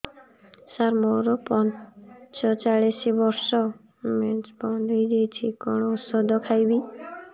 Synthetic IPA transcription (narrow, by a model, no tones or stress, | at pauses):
saɾmɔɾɔpɔnt͡ʃɔt͡ʃaɭisibɔɾsɔ | met͡ʃbɔnd̪ʱɔjd͡ʒejt͡ʃʰikɔɽ̃ɔut̪sɔd̪ɔkʰajbi